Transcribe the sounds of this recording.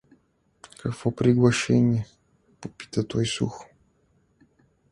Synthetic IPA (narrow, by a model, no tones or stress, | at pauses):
kʰakpopɾʲɪɡlˠɐʂɛnʲɪə | popʲi̥t̪ət̪ojsṵx